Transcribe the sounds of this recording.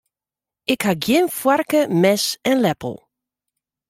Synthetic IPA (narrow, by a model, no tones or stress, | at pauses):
ɪkhaɡjɪnfwarkəmɛsɛnlɛpə̰l̩ˠ